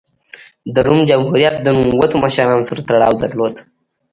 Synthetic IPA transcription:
d̪əɾumd͡ʒamhuɾijat̪̚d̪ənumwat̪oməʃaɾɑnosaɾat̪aɽɑ̰wd̪aɾlod̪

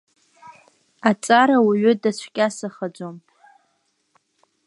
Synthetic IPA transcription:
at͡sʼaɾawaɥʏdat͡ɕʷʰkʲʼasaχad͡ʒʷomʼ

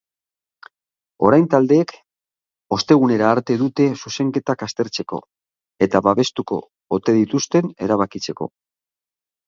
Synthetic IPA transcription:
o̞ɾajnt̪ald̪e̞ːk | o̞st̪e̞ɣ̞une̞ɾaːɾt̪e̞ðut̪e̞suse̞ŋke̞t̪akast̪e̞ɾt͡se̞ko̞̰ | e̞t̪aβaβe̞st̪uko̞̰ː | t̪e̞ðit̪ust̪e̞ne̞ɾaβakit͡se̞ko̞̰

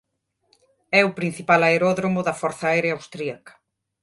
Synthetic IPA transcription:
ɛʊpɾin̟θipalaeɾɔðɾomʊðɐfɔɾθaajɾeawst̪ɾiakɐ̥

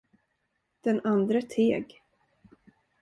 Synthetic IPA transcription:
d̪̥ɛnand̪ɾət̪ʰeːɡ

